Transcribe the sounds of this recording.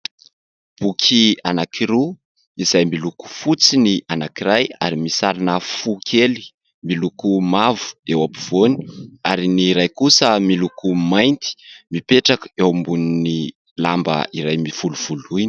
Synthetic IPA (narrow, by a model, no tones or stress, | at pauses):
b̥ukʰianakiɾu | izajmiluku̥fut͡sinianakiɾaja̰ɾimisaɾinəfukʰeli̥ | milukumavu̥ewapuv̥oni̥aɾiniɾajkusəmilukumajnt̪i̥mipeʈ͡ʂakəewmbunini | lambə̰iɾajmiv̥uluv̥uluini̥